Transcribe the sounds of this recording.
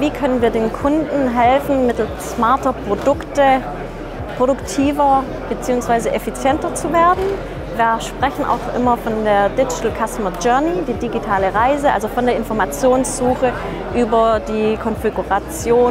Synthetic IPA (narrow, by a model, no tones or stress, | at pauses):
viːkʰœnənviːɐdeːnkʰʊndn̩ɦɛlfn̩mɪtl̩stsmaɐtɐpʁ̥odʊktə | pʁ̥oɾʊktʰiːvɐ | b̥ət͡siːʊŋsv̥aɪzəʔefit͡sjɛntɐt͡suveːɐdn̩ | viːɐʃpʁ̥ɛçn̩ʔa̰ʊxʔɪ̰mɐfɔndeːɐdɪd͡ʒɪtl̩kʰastəmɐd͡ʒœɐnidiːdiɡitʰaːləʁaɪzəʔa̰lzofɔndeːɐɪnfɔɐmat͡sjoːnsz̥uːxə | ʔyːbɐdiːkʰɔnfiɡuʁat͡sjoː